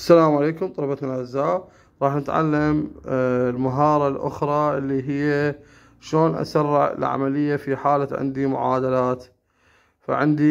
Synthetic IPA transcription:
ʔsːalaːmʕaleːkʊmt̪ˤɑlɑbat̪nalʕazːaːʔ | ɾˤɑːħnɪt̪ʕa̰lːam | lmaɦɑːɾˤɑlʔʊ̰xɾˤɑʔɪlːiɦɪjːa | ʃloːnʔa̰sarˤːɪʕɪ̰lʕa̰malɪjːafiħaːlaʕɪ̰nd̪imʊ̰ʕaːd̪alaːt̪ | fa̰ʕɪnd̪i

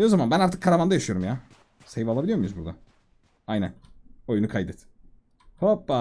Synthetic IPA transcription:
ozamanbænaɾt̪ʰɯkʰːaɾamand̪ajaʃɯjo̞ɾumjaː | sejvalˠabilʲijo̞mujuzbuɾd̪a̰ | ajnæno̞junukʰajd̪ɛt̪ | hopːa

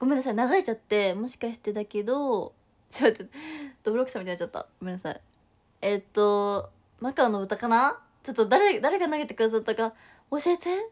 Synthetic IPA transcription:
ɡ̥o̞menːas̬ainaɡaɾe̞t͡ɕat̪ːe̞mo̞ɕi̥kaɕi̥t̪e̞d̪ake̞d̪o̞ | ɕiat̪ːed̪̥obɯ̟ɾokɯ̟̥samʲit̪enat͡ɕat̪ːa̰ɡ̥ome̞nːasa̰i | et̪ːo̞ | nakaono̞bɯ̟t̪ːakana | t͡ɕo̞t̪ːod̪aɾed̪aɾe̞kanaɡe̞t̪e̞kɯd̪as̬at̪ːaka | oɕet̪e

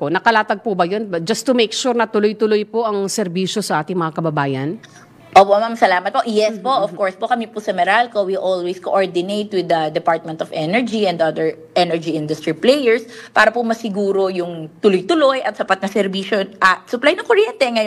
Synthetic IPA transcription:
konɐkɐlaːt̪ɐɡ̚pʊbɐjonbɐd͡ʒɐst̪ʊmekʃuːɾnɐt̪ʊlojt̪ʊlojpoʔɐŋsɛɾbiːʃo̞sɐʔaːt̪ɪŋmɐŋakɐbɐbaːjɐn | ʔoːpoʔmamsɐlaːmɐt̪̚po̞ʔjɛspoʔɔfkoɹspokɐmipʊsɐmɛɾalkowiʔolweskoʔoɹd̪ɪnejt̪wɪd̪ɐd̪ɛpaɹt̪̚mɛ̃nt̪ɔfʔɛnɛɹd͡ʒiɛ̃nd̪ʔɐd̪ɛɹ | ʔɛnɛɹd͡ʒiɪnd̪ʊst̪ɹiplejɛɹspaːɾɐpʊmɐsɪɡuːɾo̞jʊŋt̪ʊlojt̪ʊlojʔɐt̪sɐpat̪̚nɐsɛɾbiːʃoʔɐsʊplajnɐŋkoɹjɛnt̪ɛŋɐj

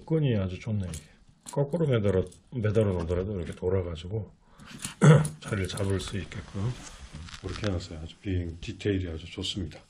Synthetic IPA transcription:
k͈ɯɲiad͡ʑut͡ɕonːe | k͈ʌk͈ɯɾomed | me̞daɾonadʌɾadoiɾʌkʰe̞toɾaɡad͡ʑiɡo | t͡ɕaɾiɭt͡ɕabɯɭs͈uit̚k͈ek͈ɯ | kɯɾʌkʰenas͈ʌjoad͡ʑu̥pieŋtitʰeidiad͡ʑut͡ɕos͈ɯmɲid̥ḁ

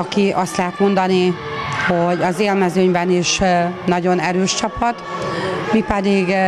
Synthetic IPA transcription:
ɒkiʔɒst̪lɛɦɛt̪mo̞nd̪ɒni | ho̞ɟɒzeːlmɛzøːɲbɛniʃnɒɟo̞nɛɾøːʃt͡ʃɒpɒt̪ | mipɛd̪iɡ

